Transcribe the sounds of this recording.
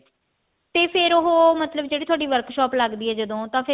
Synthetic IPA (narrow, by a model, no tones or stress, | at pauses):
t̪eːpʰɪɾʊɦoːmət̪ləbd͡ʒeːɽiːt̪ʰoaːɖiːʋəɾkʃɔːpləɡd̪iːɛːd͡ʒəd̪õːt̪ãːpʰɪ